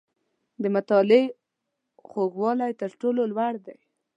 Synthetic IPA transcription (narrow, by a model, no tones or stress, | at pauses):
d̪əmat̪ɑle | xoɡwɑlajt̪əɾʈololwaɽd̪aj